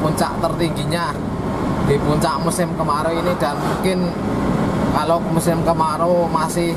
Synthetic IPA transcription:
puɲt͡ʃa̰ʔt̪ərt̪iŋɡiɲa | d̪̥e̤puɲt͡ʃaʔmusɪmkəmaɾoinɪd̪̥a̤nmuŋkɪn | kalomusɪmkəmaɾomasɪ

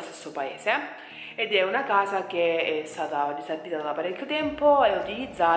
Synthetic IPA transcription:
st̪e̥sːopaḛːse | ed̪ɛunakaːsak̟eɛst̪aːt̪ariserbiːt̪aad̪apaɾekʰʲːjot̪ɛmpoɛut̪ilid̪zːaː

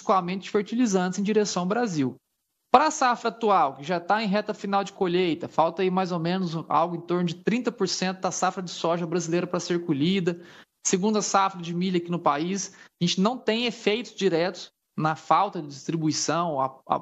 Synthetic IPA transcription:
kulaɾmẽnt͡ʃ̪ɪ̥feɾt͡ʃilizɐ̃nt̪ɪzẽj̃d͡ʒiɾesɐ̃w̃bɾaziw | pɾɐsafɾɐat̪uawkɪʒat̪aẽj̃ɦɛt̪ɐfinawd͡ʒɪkoʎejt̪ɐfawt̪ɐimajzomẽnʊza̰wɡʊẽj̃t̪oɾnʊd͡ʒɪt̪ɾĩnt̪ɐpoɾsẽnt̪ʊd̪ɐsafɾɐd͡ʒɪsɔʒɐbɾazilejɾɐpɾɐseɾkuʎid̪ɐ | seɡũd̪ʊɐsafɾɐd͡ʒɪmilʎɐkinʊpaisaʒẽnt͡ʃɪnɐ̃w̃t̪ẽj̃efejt̪ʊzd͡ʒiɾɛt̪ʊ̥s | nɐfawt̪ɐd͡ʒɪd͡ʒist̪ɾibuisɐ̃w̃ɐ̰a̰

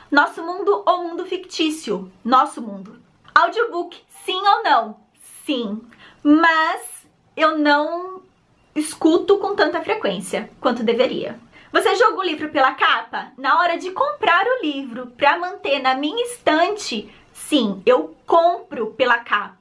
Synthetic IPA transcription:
nɔsʊmũnd̪ʊʔowmũnd̪ʊfikt͡ʃisiʊnɔsʊmũnd̪ʊ | awd͡ʒiobukɪ̥ | sĩownɐ̃w̃ | sĩ | mɐz | ewnɐ̃w̃ | ɪskut̪ʊkõt̪ɐ̃nt̪ɐfɾekwẽsiɐkwɐ̃nt̪ʊd̪eveɾḭɐ̰ | voseʒɔɡɐũlivɾʊpelɐkapɐnɐɔɾɐd͡ʒɪkõmpɾaɾʊlivɾʊpɾɐmɐ̃nt̪eɾnɐmĩɲɐĩst̪ɐ̃t͡ʃɪ | sĩewkõpɾʊpelɐkapɐ

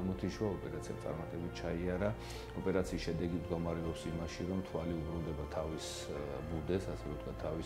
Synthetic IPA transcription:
mɔt̪ʰiʃuaɔpʼɛɾat̪sʰia̰t̪sʼa̰ɾmat̪ʼɛbit̪̚ʰt͡ʃʰaiaɾa | ɔpʼɛɾat̪sʰiːsʃɛd̪ɛɡimd̪ɡɔmaɾɛɔpsimaʃiɾɔmt̪ʰwaliubɾund̪ɛbat̪ʰavis | bud̪ɛsasɛvɛɔt̪kwʰat̪ʰːavis

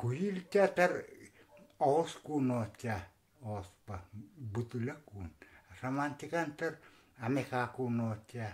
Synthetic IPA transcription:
kujilt͡ʃat̪ər | oskunot͡ʃa | ospabut̪ulakunasamant̪ikant̪ər | amekakunot͡ʃa

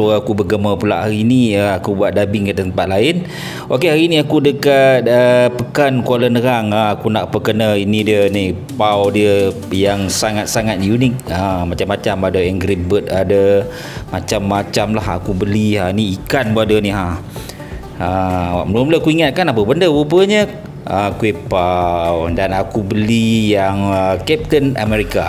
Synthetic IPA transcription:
oakubəɡəməpula̰ʔɦaɾiniəakubuaʔ̪̚dabɪŋkət̪əəmpat̪̚laɪn | okeɦaɾiniakudəkat̪̚əpəkankualənəɾaŋaakunaʔpəkənəinidiəni | pawdiə | jaŋsaŋat̪̚saŋat̪̚junɪk̚amat͡ʃamːat͡ʃamadəɛŋɡɾibət̪̚adə | mat͡ʃamːat͡ʃamlaɦa̰kubəliɦaniikanbadəniɦa | əmənumləkuiŋat̪̚kanapəbəndəwubəɲə | əkuepawdanakubəlijaŋəkɛp̚t̪əna̰mɛɾika

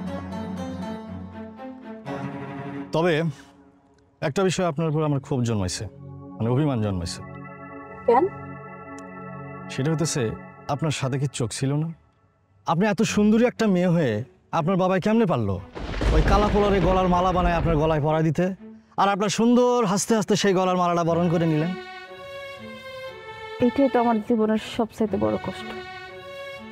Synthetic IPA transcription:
t̪ɔbe | ɛk̚ʈabiʃɔeapnaɾp̬oɾamaɾkʰubd͡ʑonma̰jt͡ɕʰemaneobʱimand͡ʑɔnma̰jt͡ɕʰe̥ | kɛn | ʃeʈaɦot̪̬et͡ɕʰeapnaɾʃat̪ʰek̬it͡ɕokt͡ɕʰilona | ap̚niɛt̪oʃund̪oɾiɛk̚ʈameɦoe | ap̬naɾbabajkɛmnepaɽlo̰ojkalapolaɾeɡɔlaɾmalabanaeapnaɾɡɔlaepɔɾad̪it̪e | aɾapnaɾʃund̪oɾɦast̪eɦast̪eʃejɡɔlaɾmalaʈabɔɾonk̬oɾenilen | ejʈaojt̪oamaɾd͡ʑiboneɾʃɔbsajt̪ebɔ̰ɾokɔʃʈo̥

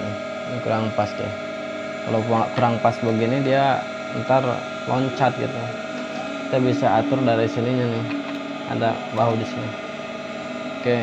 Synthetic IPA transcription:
nɪ | kuɾaŋpast̪ɪ̰ | kalokuɾaŋpasbəɡinidia | ə̰nt̪ar | lɔɲt͡ʃat̪̚ɡḭt̪u | it̪abisaat̪ʊrdaɾisiliɲanɪ | a̰da̰ | waɦudisina | kɛ

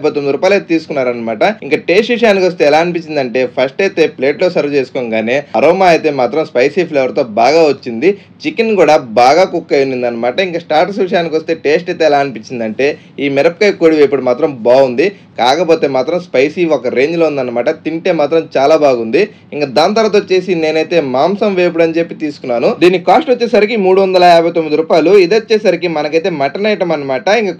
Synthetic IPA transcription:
pot̪ːond̪ɐɾuːpaːjlet̪et̪iːsu̥kunːaːɾɐnːɐmaːʈɐiŋkaːʈe̞ːsʈʋiʂɐjaːnikiʋɐst̪e̞ːɛlaːɐnipiɲt͡ʃːind̪ɐɳʈe̞ːpʰɐsʈɐjt̪e̞ːple̞ːʈlo̞ːsɐɾʋɐt͡ʃe̞ːsu̥koŋɡaːneːɐɾoːmaːjt̪e̞ːmaːt̪ɾɐmspɐjsiːpʰleːʋɐɾt̪o̞ːbaːɡaːʋɐt͡ʃːind̪i | t͡ʃikinkuːɽabaːɡaːkukːɐjunind̪ɐnːɐmaːʈɐiŋkasʈaːɾʈɐsʋiʂ̬ɐjaːnikʋost̪e̞ːʈe̞ːsʈɐjt̪e̞ːɛlaːɐnipiɲt͡ʃːind̪ɐɳʈe̞ː | iːmɛɾɐp̚kɐjkoːɽiʋeːpuɽumaːt̪ɾɐmbaːund̪i | kaːkɐpo̞ːt̪e̞ːmaːt̪ɾɐmspɐjsiɔkɐɾe̞ːɲd͡ʒloːund̪ɐnːɐmaːʈɐt̪iɳʈe̞ːmaːt̪ɾɐmt͡ʃaːlaːbaːɡund̪i | iŋkad̪aːnt̪ɐɾat̪oːt͡ʃːe̞ːsine̞ːnɐjt̪e̞ːmaːmsɐmʋeːp̬uɽɐnt͡ʃe̞pːit̪iːsu̥kunːaːnud̪iːnːikaːsʈʋɐt͡ʃːeːsaɾikimuːɽuʋɐnd̪ɐlɐaːbʱɐjt̪omːid̪iɾuːpaːjluid̪ɐt͡ʃːeːsaːɾikimɐnɐkɐjt̪eːmɐʈɐnɐjʈɐmɐnːɐmaːʈɐiŋka

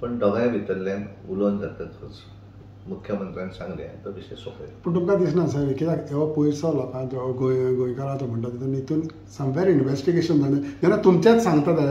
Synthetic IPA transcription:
pəɳɖəɡajãʋit̪əɾljãn | ulʋənkəɾt̪ət̪ʰot͡s | mukʰjəmənt̪ɾãnsãŋɡlḛa̰t̪əʋiɕesokʰə̰jpəɳʈ̪umkad̪is̬nas̬aɾikit̪akeʋapujɾsalɔkãnd͡ʑɔɡoɡõjkəɾat̪ɔm̤əɳʈ̪at̪it̪unit̪un | səmʋeɾinʋesʈiɡeɕənd͡zʱanad͡ʑ̪anːat̪umt͡ɕjat͡ssãŋɡt̪at̪a

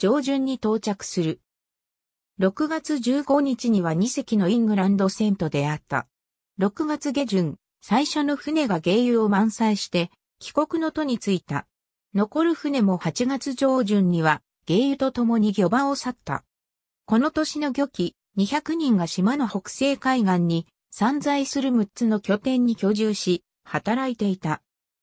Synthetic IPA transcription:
d͡ʑo̞ːʑɨ̃ɲ̟ːit̪o̞ːt͡ɕakɯ̟̥sɨɾɯ̟ | ɾo̞kɯ̟ɡat͡sɨʑɨːɡo̞ɲ̟it͡ɕiɲ̟iβaɲ̟ise̞kʲino̞ĩŋɡɯ̟ɾãnd̪o̞sẽ̞nt̪o̞d̪e̞at̪ːa̰ | ɾo̞kɯ̟ɡat͡sɨɡe̞ʑɯ̃ŋ | saiɕo̞no̞ɸɯ̟ne̞ɡaɡe̞ːjɯ̟o̞mãɰ̃saiɕi̥t̪e̞ | kʲi̥ko̞kɯ̟no̞t̪o̞ɲ̟it͡sɨit̪a̰ | no̞ko̞ɾɯ̟ɸɯne̞mo̞hat͡ɕiɡat͡sɨʑo̞ːʑɨ̃ɲ̟ːiβa | ɡ̥e̞ːjɯt̪o̞t̪o̞mo̞ɲ̟iɡʲo̞bãosat̪ːa̰ | ko̞no̞t̪o̞ɕino̞ɡʲo̞kʲi | ɲ̟içakɯ̟ɲ̟ĩŋɡaɕimano̞ho̞kɯ̥se̞ːkaiɡãɲ̟ːi | sãnd͡zaisɨɾɯ̟mɯ̟tt͡sɨno̞kʲo̞t̪ẽ̞ɲ̟ːikʲo̞ʑɨːɕi | hat̪aɾait̪e̞it̪a

